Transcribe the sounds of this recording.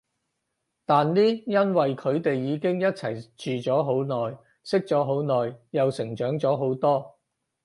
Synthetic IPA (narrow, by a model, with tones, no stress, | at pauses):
t̪aː˨nliː˥jɐ˥nwɐ˨jkʰɵ˨˧ɥt̪e˨jːiː˨˧kɪ˥ŋjɐ˥t̚t͡sʰɐ̰˨˩jt͡ʃyː˨t͡sɔː˨˥ɦo˨˥wnɔː˨j | sɪ˥k̚t͡sɔː˨˥ɦo˨˥wnɔː˨jjɐ˨wsɪ˨˩ŋt͡ʃœː˨˥ŋt͡sɔː˨˥ɦo˨˥wt̪ɔː˥